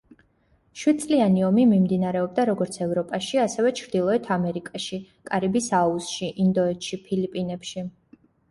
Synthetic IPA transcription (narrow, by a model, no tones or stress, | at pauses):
ʃwid̪̚t̪sʼlianiɔmimimd̪inaɾɛɔb̚d̪aɾɔɡɔɾt̪sʰɛvɾɔpʼaʃiasɛvɛt͡ʃʰɾd̪ilˠɔɛt̪ʰamɛɾikʼaʃi | kʼaɾibisausʃiʔind̪ɔɛt̪ʰʃipʰilipʼinɛpʃi